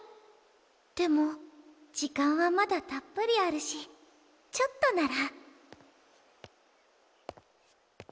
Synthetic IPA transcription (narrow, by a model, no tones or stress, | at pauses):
t̪emot͡ɕikaŋwamat̪at̪apəɾjaɾɯɕi | t͡ɕʰok̚t̪onaɾa